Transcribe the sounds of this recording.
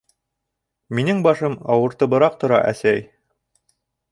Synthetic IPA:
minɘŋbɑʃɤmɑwɤ̆ɾt̪ɤ̆bɤ̆ɾɑq̚t̪ŏɾɑ̰ʔæsæj

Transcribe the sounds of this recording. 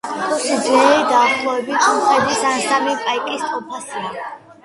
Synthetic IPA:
kʼɔsid̪zɛɾid̪aːχlˠɔɛbit̪ʰɔmχɛd̪isansamipʼaikʼist̪ʼɔpʰasia

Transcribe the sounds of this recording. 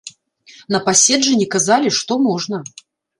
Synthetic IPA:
nɐpasʲɛd͡ʐɨnʲɛkazalʲiʂt̪ɔmɔʐnɐ

